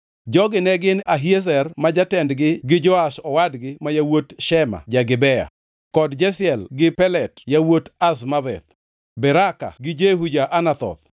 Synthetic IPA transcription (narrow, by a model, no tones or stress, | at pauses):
d͡ʒɔɡɪnɛɡɪnaɦies̬ɛrmad͡ʒatɛndɡɪɡɪd͡ʒɔaʃɔwadɡɪmajawotʃɛma̰d͡ʒaɡɪbɛja̰ | kɔdd͡ʒɛsɪɛlɡɪpɛlɛtjawotas̬mabɛ̰t̪ | bɛɾaka̰ɡɪd͡ʒeɦud͡ʒaʔanat̪ɔ̰t̪̚